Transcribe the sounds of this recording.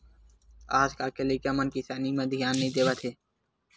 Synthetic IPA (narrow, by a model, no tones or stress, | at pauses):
aːd͡ʒkaːkeliːkemənkisaːnimẽːd̪ʱijaːnːəɦĩd̪eːʋət̪ʰeː